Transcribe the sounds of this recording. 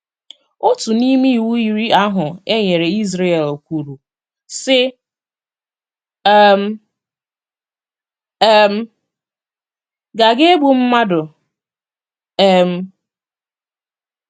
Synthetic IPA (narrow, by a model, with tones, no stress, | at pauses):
o˦tu˨ni˦mi˦i˨wu˦i˨ɾi˦a˦ɦʊ˨e˦ɲe˨ɾe˨i˦zɾe˦e˨lkʷu˨ɾu˨ | sɪ˦ | m̩˦ | m̩˦ | ɡa˨ɡe˦ɡ͡bu˨m̩˦ma˦dʊ˨˦˨ | m̩˨